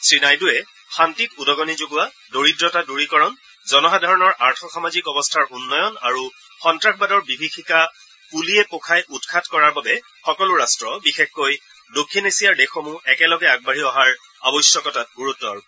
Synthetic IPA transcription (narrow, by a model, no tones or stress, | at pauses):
sɹinajduɛ | xantitudɔɡɔnizoɡʊwa | doɹidɹɔtaduɹikɔɹɔn | zɔnɔxadʱaɹɔnɔɹʔaɹtʰɔxamazikɔbɔstʰaɹunːɔjɔna̰ɹu | xɔntɹaxbadɔɹbibʱikʰika | puliɛpokʰajʔutkʰatkɔɹaɹbabɛ | xɔkɔlʊɹastɹɔbixexkoj | dokʰːinesijaɹdexɔmũɛkɛlɔɡɛaɡ̚baɹiɔɦaɹ | a̰bɔjsjɔkɔtat̚ɡuɹutːɔɹ